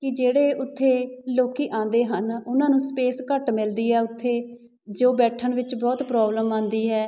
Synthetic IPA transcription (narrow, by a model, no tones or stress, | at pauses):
kɪd͡ʒeːɽeːʊt̪ʰːeːloːkiːʔãːnd̪eːɦənʊnãːnũːspeːskəʈmɪld̪iːɦɛːʊt̪ʰːeː | d͡ʒoːbɛːʈʰːəɳʋɪt͡ʃbɔːt̪pɾɔːbləmãːnd̪iːɦɛː